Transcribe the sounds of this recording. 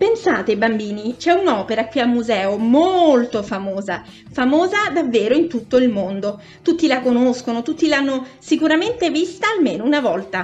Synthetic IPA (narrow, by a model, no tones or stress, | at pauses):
pensaːt̪ebambiːnit͡ʃɛunɔːpeɾakwiamːuzɛːomolt̪ofamoːza | famoːzad̪avːeːɾoint̪ut̪ːoilmond̪o | t̪ut̪ːilakonoskonot̪ut̪ːilanːosikuɾament̪evist̪aːlmeːnounavɔlt̪a